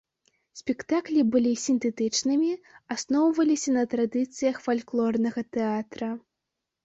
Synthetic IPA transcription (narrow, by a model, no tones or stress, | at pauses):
sʲpʲɛkt̪aklʲibɨlʲisʲint̪ɛt̪ɨt͡ʂnɨmʲiasnɔwvɐlʲisʲɐnɐt̪ɾad̪ɨt̪sɨjɐxfalʲklˠɔrnɐɣɐt̪ɛat̪ɾɐ